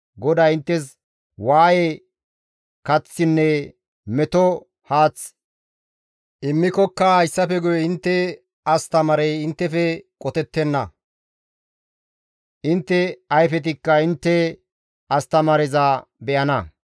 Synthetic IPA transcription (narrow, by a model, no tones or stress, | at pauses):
ɡɔd̪aːɪnt̪ːɛs | waːje | kɐt͡sːɪnːɛ | mɛt̪ɔ | haːt͡s | ʔɪmːɪkɔkːɐhɐjsːɐfɛɡʊjɛɪnt̪ːɛ | ɐst̪ɐmɐɾɛjɪnt̪ːɛfɛkʼɔt̪ɛt̪ːɛnːɐ | ʔɪnt̪ːɛɐjfɛt̪̬ɪkːɐɪnt̪ːɛ | ɐst̪ɐmɐɾɛzabɛʔɐnɐ